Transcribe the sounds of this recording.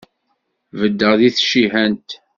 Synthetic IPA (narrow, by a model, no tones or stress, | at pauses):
vəd̪ːəʁðiθʃiɦænt̪